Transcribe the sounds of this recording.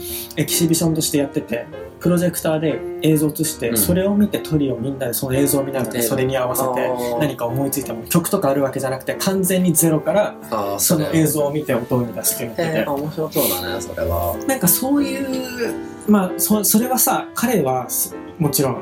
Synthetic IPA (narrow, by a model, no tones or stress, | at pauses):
e̞kʲi̥ɕibʲiɕõ̞nt̪o̞ɕi̥t̪e̞jat̪ːe̞t̪e̞pɯ̟ɾo̞ʑe̞kɯ̟̥t̪aːd̪e̞e̞ːzo̞ːt͡sɨɕi̥t̪e̞so̞ɾe̞o̞mʲit̪e̞t̪ʰo̞ɾʲio̞mʲĩnːad̪e̞so̞no̞e̞ːzo̞ːmʲinaɡaɾaso̞ɾe̞ɲ̟iaβase̞t̪e̞naɲ̟ikao̞mo̞it͡sɨit̪emokʲo̞kɯ̟̥t̪o̞kaːɾɯ̟βake̞ʑanakɯ̟̥t̪e̞kʰãnd͡zẽ̞ɲ̟ːid͡ze̞ɾo̞kaɾa | so̞noʔe̞ːzo̞ːmʲit̪e̞o̞t̪o̞ːɲ̟id̪aɕi̥t̪eneeoɕiosoːd̪a̰nɛ̰soɾḛβa̰nãŋkaso̞ːjɯ̟ː | masoso̞ɾe̞βasakʰaɾe̞βas | mo̞t͡ɕiɾõ̞ŋ